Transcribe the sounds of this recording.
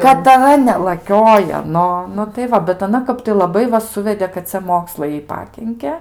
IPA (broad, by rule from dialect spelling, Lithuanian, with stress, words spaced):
kɐtˈrɐ nʲɛlˠɐˈkʲoːjoː ˈnʊ nʊ tɐɪ ˈʋɐ bʲɛt ɐˈnɐ ˈkɐp tɐɪ lˠɐˈbɐɪ ʋɐ ˈsʊʋʲɛdʲeː kɐt ˈt͡sʲɛ ˈmoːkslˠɐɪ ˈjɛɪ ˈpɑːkʲɪŋʲkʲɛ